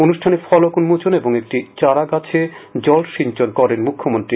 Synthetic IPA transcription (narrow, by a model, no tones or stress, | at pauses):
onuʃʈʰanefɔlokunmut͡ɕoneboŋek̚ʈit͡ɕaɾaɡat͡ɕʰed͡ʑɔlʃiɲt͡ɕonkɔɾenmukʰːomont̪ɾi